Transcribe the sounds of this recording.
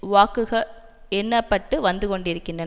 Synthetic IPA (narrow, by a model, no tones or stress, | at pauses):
ʋaːkɯɣɐ | ɛnːɐpːɐʈːɯʋɐnd̪ɯkɔɳɖɪɾɯkːɪndrɐ